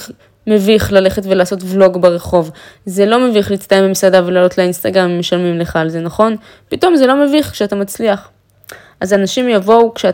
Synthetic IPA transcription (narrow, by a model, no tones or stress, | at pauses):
me̞viχlale̞χe̞tvelaːso̞tvlo̞ɡbeʁeχo̞vze̞lo̞meviχlit͡stajembimsadavelaːlo̞tleinst̪aɡʁammeʃalmimleχaːlzenaχo̞n | pito̞mzelo̞meviχkʃeatamat͡sliaχ | ʔazanaʃimjavo̞ukʃea